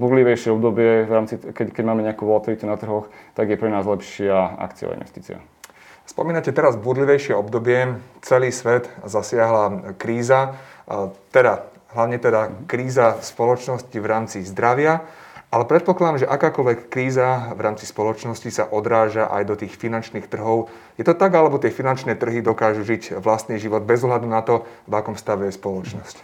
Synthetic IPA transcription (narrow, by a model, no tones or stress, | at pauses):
bud̪liʋɛjʃɪɛɔbd̪ɔbɪɛvɾaːmt͡sikɛkɛɟmaːmɛɲɛakuːʋɔlat̪iʋit̪unat̪r̩ɦɔxt̪aɡjɛpɾɛnaːzlɛpʃɪaa̰kt͡sia̰ḭnʋɛ̰st̪iːt͡sḭa̰ | spɔ̰miːnacɛt̪ɛɾazbud̪liʋɛjʃɪɛɔbd̪ɔbɪɛt͡sɛliːsʋɛt̪zasɪaɦlakɾiːza | t̪ɛd̪a | ɦlaʋɲɛt̪ɛd̪akɾiːzaspɔlɔt͡ʃnɔscivɾaːmt͡sizd̪ɾaʋɪaʔalɛpɾɛt̪̚pɔklad̪amʒɛʔakaːkɔlʋɛkːɾiːzavɾaːmt͡si̥spɔlɔt͡ʃnɔscisa̰ʔɔd̪ɾaːʒaʔa̰jd̪ɔt̪iːxfinant͡ʃniːxt̪r̩ɦɔʊ | jɛt̪ɔt̪aɡalɛbɔt̪ɪɛfinant͡ʃnɛːt̪r̩ɦid̪ɔkaːʒuʒicʋlast̪niːʒiʋɔd̪̚bɛzɔɦlad̪unat̪ɔvakɔmst̪aʋɛjɛspɔlɔt͡ʃnɔsc